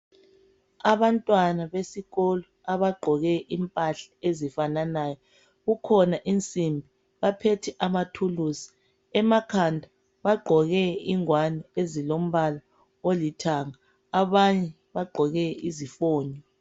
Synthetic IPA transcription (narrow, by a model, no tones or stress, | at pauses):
aβantʼwanaβesiɣɔlɔ | aβaɡ͡ǃʱɔɣɛʔimpʼaɬḁezifananajɔ | ɣukʰɔnaʔint͡sʼimbʱi | βapʰetʰɛʔamatʰuluːsi̥ | ɛmakʰandʱa | βaɡ͡ǃʱɔɣɛiŋwaniezilom̩βala | olitʰaŋaː | βaɲɛ | βaɡ͡ǃʱɔɣɛizifoːɲɔ